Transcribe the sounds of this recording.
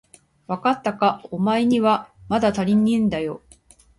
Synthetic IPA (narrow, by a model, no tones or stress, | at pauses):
βakat̪ːakaomaeɲ̟iβamad̪at̪aɾʲiɲːĩnd̪ajo̞